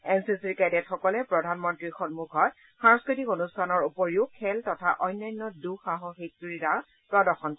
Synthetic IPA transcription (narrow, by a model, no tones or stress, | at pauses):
ɛnsisiɹkajdɛtxɔkɔlɛpɹɔdʱanmɔntɹixɔnmukʰɔt | xaɹɔ̃skɹitikonustʰanɔɹupɔɹiʊkʰːɛltɔtʰaʔɔjnːajnːɔduxaɦɔxek̚tiɹita | pɹɔdɔxɔn